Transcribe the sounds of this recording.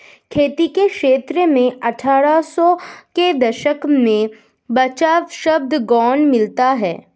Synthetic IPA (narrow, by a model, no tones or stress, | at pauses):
kʰeːt̪ikekʃeːt̪ɾəmẽɐʈʰaːɾasɔked̪ɐʃəkmẽ | bɐt͡ʃaːʋʃəb̚d̪ʱɡɔːnmɪlt̪aɦɛː